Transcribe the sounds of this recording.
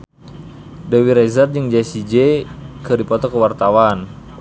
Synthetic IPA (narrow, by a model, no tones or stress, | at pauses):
dəwiɾɛzard͡ʒəŋd͡ʒasid͡ʒekədipɔt̪ɔkəwart̪awan